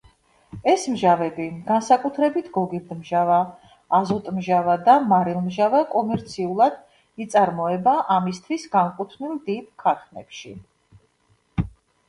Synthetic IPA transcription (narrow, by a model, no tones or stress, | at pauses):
ɛsmʒavɛbiɡ̥ansakʼut̪ʰɾɛbit̪ʰɡ̥ɔɡiɾd̪mʒavaː | zɔt̪ʼmʒavad̪amaɾilˠmʒavakʼɔmɛɾt̪sʰiulˠad̪̥ | it̪sʼaɾmɔɛbaʔamist̪ʰwisɡamkʼut̪ʰnilˠd̪id̪̚kʰat̪ʰnɛ̰pʃi